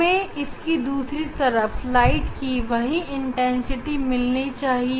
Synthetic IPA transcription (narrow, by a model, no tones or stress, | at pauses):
ẽɪskid̪uːsɾit̪ɐɾəflaːɪʈkiʋɐɦĩɪ̃ɳʈɛ̃nsɪʈimɪlnit͡ʃaːɦi